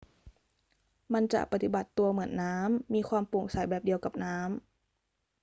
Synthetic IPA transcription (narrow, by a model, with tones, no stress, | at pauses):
ma˧˥˨nt͡ɕa̰˧˩pa˧t̪i˧˩ba˨˩t̪ːu˧ɐmɯ˩˦ənːaː˦˥mːiː˧kʰwaː˧˥˨mpo˨˩ŋsa˨˦jbɛː˨˩p̚di˧əwka˨˩p̚naː˦˥m